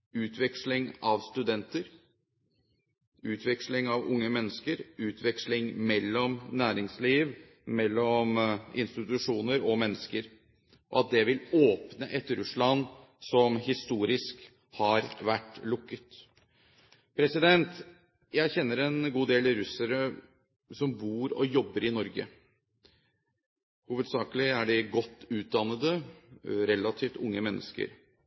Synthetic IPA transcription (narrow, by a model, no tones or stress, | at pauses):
ʉːt̪ʰʋɛkslɪŋɑʋst̪ʉd̪ɛnt̪əɾ | ʉːt̪ʰʋɛkslɪŋɑʋʊ̰ŋːəmɛnːəskəɾʉːt̪ʰʋɛkslɪŋmɛlːɔmnæːɾɪŋsliːʋ | mɛlːɔmɪ̰nst̪ɪt̪ʉʂuːnəɾɔmɛnːəskəɾ | ʔɔ̰ɑt̪̚d̪ɛʋɪloːpnəʔɛt̪ɾʉslɑn | sɔmhɪst̪uːɾɪsk | hɑɾʋæʈːlʊkːət̪ | pʰɾɛsɪd̪ɛnt̪ | jæɪçɛnːəɾɛnɡuːd̪eːlɾʉsəɾə | sɔmbuːɾɔ̰jɔbːəɾɪnɔɾɡə̰ | huːʋəd̪sɑːkəlɪæɖɪɡɔt̪ːʉːt̪̚d̪ɑnːəd̪ə | ɾɛlːɑt̪ʰiːft̪ʊŋːəmɛnːə̰skə̰ɾ